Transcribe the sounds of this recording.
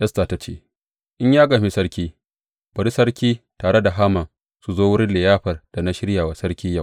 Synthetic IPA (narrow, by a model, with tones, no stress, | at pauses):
ʔɐ˦sta˨ta˦t͡ʃḛː˦˨ | ʔɪ˦ɲjaː˦ɡa˨mi˦sɐ˦ɽkʲiː˦ | b̥ɐ˨ɾi˦sɐ˦ɽkʲiː˦taː˨ɽe˦da˨ɦaː˦mɐ˨ŋ | su˨zoː˦wʊ˦ɽɪ˦nlɪ˨jaː˦ɸɐ˨rd̥a˨na˦ʃɪ˦ɽjaː˨wa˨sɐ˦ɾkʲiː˦ja˦˨